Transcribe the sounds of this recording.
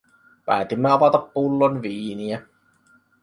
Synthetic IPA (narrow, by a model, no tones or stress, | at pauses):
pæ̰ːˑt̪imːeɑʋɑt̪ɑpːulːonʋiːniæ